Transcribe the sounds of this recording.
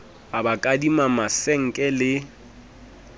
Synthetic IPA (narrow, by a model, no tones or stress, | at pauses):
abakʼadimamaseŋ̩kʼɛlɪ